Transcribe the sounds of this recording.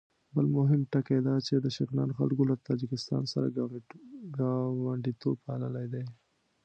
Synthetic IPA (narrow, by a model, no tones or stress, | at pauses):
bəlmʊɦɪmʈaked̪ɑt͡ʃed̪əʃɪknɑnxa̰lkolat̪ɑd͡ʒɪkɪst̪ɑ̰nsa̰ɾa̰ | ɡɑwaɳɖit̪ob̚paləlajd̪aj